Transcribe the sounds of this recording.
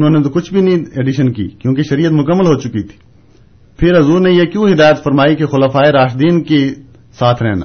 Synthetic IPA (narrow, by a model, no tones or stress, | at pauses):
ʊnɦõːnet̪okʊt͡ʃʰbʱinĩeːɖɪʃənkḭːkjõːkeʃɐɾiːət̪mʊkəmːəlɦoːt͡ʃʊkit̪ʰi̥ː | pʰɪɾɦɐzuːɾnejekjõɦɪd̪aːjət̪fɐɾmaːikexʊlaːfaːeɾaːʃd̪iːnke | saːt̪ʰɾɛɦna̰ː